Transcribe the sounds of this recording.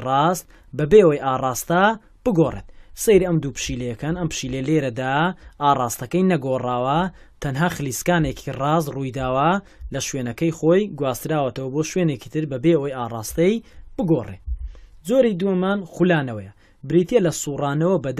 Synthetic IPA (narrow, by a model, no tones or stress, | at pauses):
rɑːst̪̚ | bɐbewɐjʔaːrˤaːst̪ɐ | b̥ɨɡoːrˤḛt̪̚sejɾiɐmd̪uːpɨ̥ʃiːlɐjɐkanɐmpɨ̥ʃiːlejleːɾɐd̪aːaːrˤaːst̪ɐkɐjnɐɡoːraːwɐt̪ʰɐnɦaːxɨliːskaːnekʰirɑːzrujd̪aːwɐlɐʃweːnɐkɐjxoːjɡwaːst̪ɨɾaːwɐt̪ɐwɐboːʃweːneki̥t̪ʰɨɾbɐbeɐwɐjaːrˤa̰ːst̪ɐjb̥ɨɡoːrḛzoːɾid̪uɐmaːnxulaːnɐwɐjɐ | bɪɾit̪jelɐsuːrɑːnɐwɐbɐd̪